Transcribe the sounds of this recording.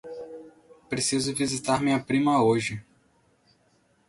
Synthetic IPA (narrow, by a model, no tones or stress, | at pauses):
pɾesizʊvizit̪aɾmĩɐpɾĩmɐoʒɪ